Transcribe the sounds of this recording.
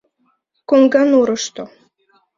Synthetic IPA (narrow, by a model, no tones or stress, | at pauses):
koŋɡɑnuɾɤ̆ʃt̪o